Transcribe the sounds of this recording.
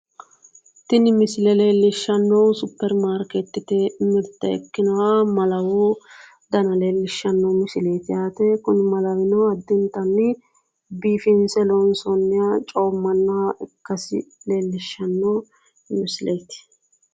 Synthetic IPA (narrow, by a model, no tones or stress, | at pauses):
t̪ɪnɪmɪsɪlɛle̞ːlːɪʃːɐnːɐwsʊpːɛɾmaːɾkɛt̪ːɪt̪ɛɪmɪɾt̪ːɐɛ̰kːɪnɐwamɐlɐwoː | d̪ɐnɐleːlːɪʃːɐnːɐwmɪsɪle̞ːt̪ɪjaːt̪ɛkʊnɪmɐlɐwɪnɔɐd̪ːɪnt̪ɐnːɪ | biːfɪnsɛlonsɔnːɪjat͡ʃʼoːmːɐnːɐʔɪkːɐsɪ̰le̞ːlːɪʃːɐnːo | mɪsɪleːt̪ɪ̥